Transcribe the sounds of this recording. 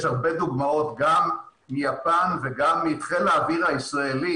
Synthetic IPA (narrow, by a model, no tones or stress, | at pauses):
ʃhaʁbe̞d̪uɡmao̞t̪ɡam | mijapanveɡamːiːt̪χelaːviʁhaisʁaeli